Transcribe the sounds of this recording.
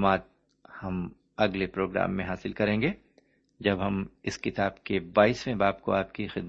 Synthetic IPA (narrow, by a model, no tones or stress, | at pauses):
maːt̪̚ | hɐm | ɐɡlepɾoːɡɾa̰ːmːẽɦaːsɪlkɐɾẽːŋɡeː | d͡ʒɐbɦɐmɪskɪt̪aːbkebaːiːsmẽbaːpko̰aːpkixɪd̪m